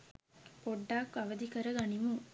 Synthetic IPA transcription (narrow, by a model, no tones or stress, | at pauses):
poɖːaːkːɐʋəd̪ikəɾəɡɐnimu